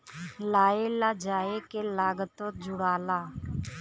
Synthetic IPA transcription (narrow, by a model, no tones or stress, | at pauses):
laːeːlaːd͡ʒaːeːkeːlaːɡət̪õːd͡ʒʊɽaːlaː